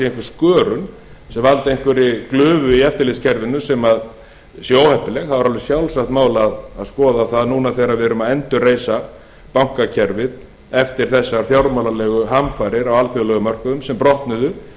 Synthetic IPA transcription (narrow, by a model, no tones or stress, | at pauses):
ejŋkvʏɾ̥skœːɾʏn | sɛmvalt̪ejŋ̥kvʏɾɪklʏːvʏiɛft̪ɪliscʰɛɾvɪnːʏsɛmað | sjoːwhɛhpːɪlɛxθavaɾalvɾɪ̥sjawlsakt̪maːwlaðaðskɔːðaθaðnuːnaθejɾavɪɾʏmaðɛnt̪ʏreːjsa | pawŋ̥kacʰɛɾvɪð | ɛft̪ɪɾ̥θɛsːaɾθjawɾmawlalɛɣʏɦamfajɾɪɾawalfjʏlɛɣʏmœr̥kʏðʏmsɛmpɾɔht̪nʏðʏ